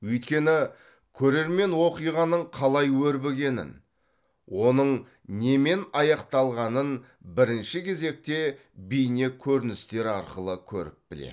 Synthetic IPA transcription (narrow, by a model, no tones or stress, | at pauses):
wɵjt̪kʲe̞nɪ | kʲʰɵɾe̞ɾme̞nwo̞qijʁɑnəɴqʰɑlˠɑjwɵɾbe̞ɡʲe̞nɪ̰n | wo̞nəɴ | ne̞me̞nɑjɑqt̪ɑlˠʁɑnən | bɪɾɪnʃɪkʲʰe̞ze̞k̚t̪e̞ | bijne̞kʲʰɵɾɪnɪst̪e̞ɾɑɾqəlˠəkʲʰɵ̰ɾɪ̰p̚b̥ɪlḛ